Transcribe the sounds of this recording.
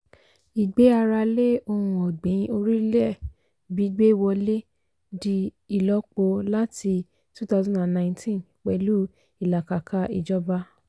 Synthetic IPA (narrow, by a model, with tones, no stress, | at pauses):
i˨ɡ͡be˨˦a˧ɾa˧le˦o˧hũ˧ɔ˨ɡ͡bĩ˨˦o˧ɾi˦lɛ˦˨ | bi˨˦ɡ͡be˦i˦˨wɔ˧le˦ | di˦ | i˨lɔ˦k͡po˧la˦ti˧ | tu˦ta˦zɔ̃˦da˨nã˨ĩ˦tĩ˦n | k͡pɛ˧lu˦ | i˨la˨ka˨ka˦i˨d͡ʒɔ˦ba˦